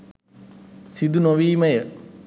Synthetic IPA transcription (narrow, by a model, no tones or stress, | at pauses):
sid̪unoʋiːməjə